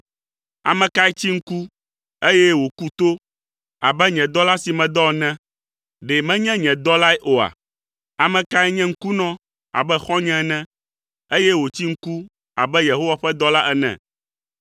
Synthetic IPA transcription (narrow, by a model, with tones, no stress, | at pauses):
a̰˨mɛ̃˨ka˦ɛ˦t͡ɕi˦ŋ̩˦ku˦ | e˦jɛ˦wo˨ku˦t̪o˦ | a˨bɛ˦ɲɛ̃˨d̪ɔ˦la˦si˨mɛ̃˨d̪ɔ˦˨nɛ̃˦ | ɖe˨mɛ̃˦ɲɛ̃˦ɲɛ̃˨d̪ɔ˦la˦ɛ˦ʔo˨a̰˨ | a˨mɛ̃˨ka˦ɛ˦ɲɛ̃˦ŋ̩˦ku˦nɔ̃˦ | a̰˨bɛ˦xɔ̃˦ɲɛ̃˦˨nɛ̃˦ | e˦jɛ˦wo˨t͡ɕi˦ŋ̩˦ku˦ | a̰˨bɛ˦je˨ɦo˦wa˨ɸɛ˦d̪ɔ˦la˦ʔɛ˦˨nɛ̰̃˨